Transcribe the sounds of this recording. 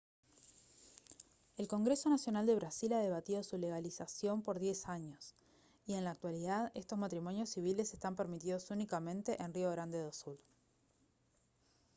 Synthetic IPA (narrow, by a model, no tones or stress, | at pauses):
e̞lko̞ŋɡɾe̞so̞nasjo̞nald̪e̞βɾasilað̞e̞β̞at̪iðo̞sule̞ɣalisasjo̞mpo̞ɾðje̞saɲo̞s | ie̞nlaːk̚t̪waliðaðest̪o̞zmat̪ɾimo̞njo̞sːiβile̞sest̪ampeɾmit̪iðo̞sunikamẽ̞nt̪e̞ʔenrioβeɾand̪e̞ðosul